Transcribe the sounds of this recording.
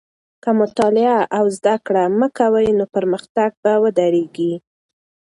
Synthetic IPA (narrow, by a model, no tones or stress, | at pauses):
kəmʊt̪ɑlɪaʔawzd̪akɽaməkawəjnopəɾməxt̪aɡ̚bawəd̪aɾeɡi